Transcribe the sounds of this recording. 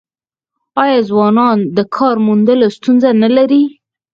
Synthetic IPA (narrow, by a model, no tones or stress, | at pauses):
ɑjɑzwɑnɑnd̪əkʰɑɾmund̪əlost̪unzanalaɾi